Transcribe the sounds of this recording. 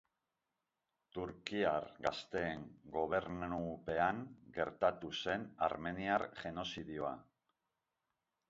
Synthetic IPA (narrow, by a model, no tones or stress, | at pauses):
t̪uɾkiaɾɣast̪e̞ːŋɡo̞β̞e̞ɾnupe̞aŋɡe̞ɾt̪at̪use̞na̰ɾme̞niaɾʝe̞no̞siðioa̰